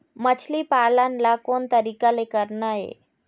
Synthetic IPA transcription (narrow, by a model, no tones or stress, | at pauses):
mət͡ɕʰlipalanlakont̪əɾikalekəɾnajḛ